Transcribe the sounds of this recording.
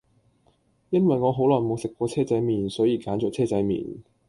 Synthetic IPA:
jɐ˥nwɐ˨jŋɔː˨˧ɦo˨˥wlɔː˨˩nmo˨˧wsɪ˨kːʷɔː˧t͡sʰɛː˥t͡sɐ˨˥jmiː˨˩nsɔː˨˥jiː˨˧kaː˨˥nt͡ʃɔ˨t͡sʰɛː˥˩t͡sɐ˨˥jmḭː˨˩n

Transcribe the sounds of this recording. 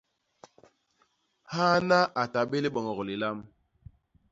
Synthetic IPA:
ha˦na˦ʔa˨ta˨ɓe˦li˦ɓɔ˨ŋɔ˨ɣɔ˨li˨la˦m

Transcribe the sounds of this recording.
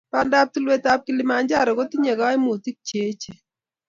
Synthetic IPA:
pa˦nda˦p̚tu˦lwe˦ta˦p̚ki˦li˦ma˨nd͡ʒa˦˨ɾɔ˨ɡo˦ti˦ɲe˨ɡa˦ɪ˦mu˨ti˦k̚t͡ʃe˨˦t͡ʃe˨

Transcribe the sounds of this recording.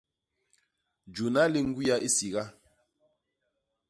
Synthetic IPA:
d͡ʒu˨na˦li˦ŋ̩˦ɡi˦ja˦ʔi˦si˨ɣa˦

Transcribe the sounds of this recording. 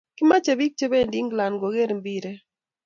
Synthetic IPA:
kɪ˦ma˦t͡ʃe˨bi˦k̚t͡ʃe˦be˦˨ndi˦ŋɡla˨nɡo˨ɡe˦ɾmbi˦ɾe˦

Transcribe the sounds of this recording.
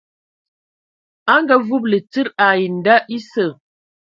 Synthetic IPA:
a˦ŋɡə˦vu˦p̬̚lə˨t͡sɨ˦ɾa˨ji˨n˨da˦ʔi˦sə˨

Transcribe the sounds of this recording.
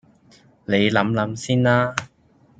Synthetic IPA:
ne˨˧jlɐ˨˥mlɐ˨˥msiː˥nlaː˥

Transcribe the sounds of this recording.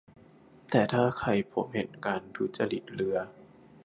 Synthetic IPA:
t̪ɛː˨˩t̪ʰaː˥˩kʰa˧jpʰo˩˦mhe˨˩nkaː˧nt̪ʰu˦˥t͡ɕa˧li˨˩t̪̚lɯ˨˩˦ɐ

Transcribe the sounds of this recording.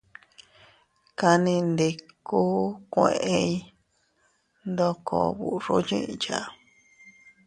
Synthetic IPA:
ka˧nĩ˧nd̪e˧ku˦kʷẽ˧˨ʔe˧i˧ | nd̪o˧kʰo˧βu˨ʐo˦ɲḭ̃˦ʔt͡ʃa˧

